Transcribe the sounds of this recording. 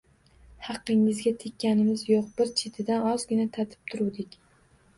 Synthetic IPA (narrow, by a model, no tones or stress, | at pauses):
hɑqːɪŋɪzɡʲat̪ʰekʲːanɪmɪzjoq̚bɪɾt͡ʃʰe̞t̪ʰɪd̪anɒzɡʲɪnat̪ʰat̪ʰɪ̥p̚t̪ʰʊɾud̪ɪkʲ